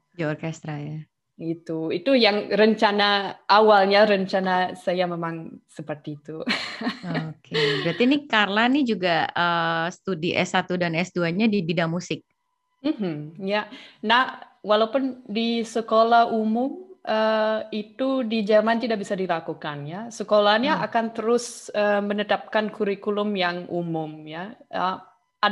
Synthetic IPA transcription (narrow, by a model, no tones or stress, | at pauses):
d͡ʒaɔrkɛst̪ɾaja | ɡit̪uit̪ujaŋɾəɲt͡ʃanaʔawalɲaɾəɲt͡ʃanasajamemaŋsəpərt̪it̪u | okʰebəɾat̪inikarlanid͡ʒuɡaəsə̥t̪udiʔɛ̰sat̪udanɛsduaɲadibidamusɪk̚ | m̩ɦm̩janah | walaupʊndisəkolahumʊmʔəit̪udid͡ʒərmant̪idaʔbisadilakukanjasəkolahɲaʔakant̪əɾʊsəmənət̪ap̚kankuɾikulʊmjaŋʔumʊmjaə | a